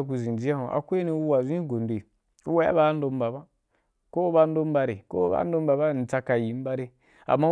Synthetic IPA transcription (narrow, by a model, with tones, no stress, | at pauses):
k̬u˧˨zĩ˨n˨d͡ʒi˦a˦hõ˨ʔa̰˨kʷe˦nĩ˧u˦wa˨zĩ˦ɡo˨nde˨ | u˦wa˦a̰˦ba˨˦n̩˦do˧m˦ba˨ba˦ | ko˦ba˧˦n̩˦do˦m˦ba˧ɾe˨ko̰˦ba̰˨˦n̩˦do˧˦mba˨ba˦˨n̩˨t͡sa˧ka˨ji˨˦m˦ba˦ɾe˦ | a̰˨mːa˦